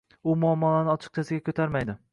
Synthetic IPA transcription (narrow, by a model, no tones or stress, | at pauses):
ʊmʊɒmːɒlanɪɒt͡ʃʰɪ̥q̚t͡ʃʰasɪɡʲakʲʰɵt̪ʰaɾmajd̪ɪ